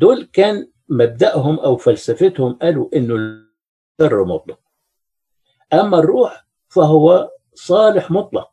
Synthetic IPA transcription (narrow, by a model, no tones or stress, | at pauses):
d̪oːlkaːn | mab̚d̪aʔɦʊmʔawfalsafat̪hʊmʔaluʔɪnːʊ | ɑrˤːmʊ̰t̪ˤlɑq̚ | ʔamːarˤːuːħ | faɦʊwːa | sˤɑːlɪħmʊt̪ˤlɑq̚